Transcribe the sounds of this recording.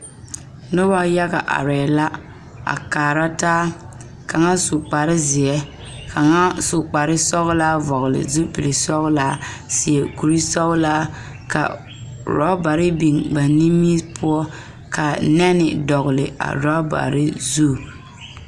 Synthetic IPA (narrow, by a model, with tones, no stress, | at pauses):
nʊ˦ba˦ja˦ɣa˨ʔa̰˨ɾɛː˨la˦ | a̰˨kaː˨ɾa˦taː˦ | ka˨ŋa˦sʊ˨k͡pa˨ɾɪ˦zɪ˨ɛ˦ | kʰa˨ŋa˦sʊ˨k͡pa˨ɾɪ˦sɔ˦ɣlaː˦vɔ˨ɣʊ˨lɪ̰˨zu˦pi˨lɪ˨sɔ˦ɣlaː˦sɪ˨ɛ˨ku˨ɾi˦sɔ˦ɣlaː˦ | ka̰˨ | ɾɔ̰˦ba˨ɾɪ˦bi˨ŋba˨ni˦mːi˦pʰʊ˦ɔ˦ | kʰa˨nɛ˦nɪ˨dɔ˨ɣʊ˨lɪ˨a̰˨ɾa˦ba̰˨ɾɪ˦zu˦˨